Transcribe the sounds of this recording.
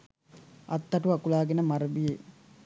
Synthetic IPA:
ɐt̪ːɐʈuakulaːɡenəmaɾəbije

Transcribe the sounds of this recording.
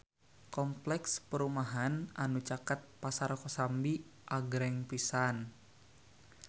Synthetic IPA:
kɔmplɛkspəɾumaɦananut͡ʃakat̪̚pasarkɔsambiʔaɡɾɛŋpisan

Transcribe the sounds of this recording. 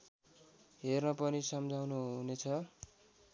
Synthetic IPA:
ɦernʌpʌnisʌmd͡zʱawnuɦɦunet͡sʰʌ

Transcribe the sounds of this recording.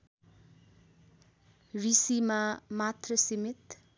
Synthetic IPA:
risimamat̪rʌsimit̪

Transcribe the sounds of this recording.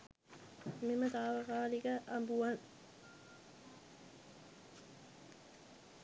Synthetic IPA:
memət̪aːʋəkaːliɡəʔambuan

